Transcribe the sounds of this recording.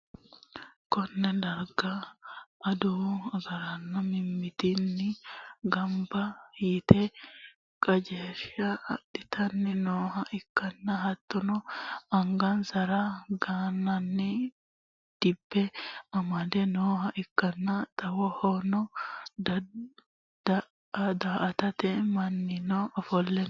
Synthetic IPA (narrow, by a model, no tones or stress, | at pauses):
kɔnːɛd̪ɐɾɡɐ | ɐd̪ʊɐɡɐɾɐnːɐmɪmːɪt̪ɪnːɪɡɐmbɐɪt̪ɛ | kʼɐd͡ʒeːʃɐdɪt̪ʰɐnːɪnoːhɐʔɪkːɐnːɐɦɐt̪ːɔnɔɐŋɡɐnsɐɾɐɡaːnːɐnːɪ | d̪̥ɪbːɛɐmɐd̪ɛnoːɦɐʔɪkːɐnːɐt̪ɐwɔhɔnɔ | d̪ | d̪aʔɐt̪ɐt̪ɛmɐnːɪnɔɔfɔlːɛn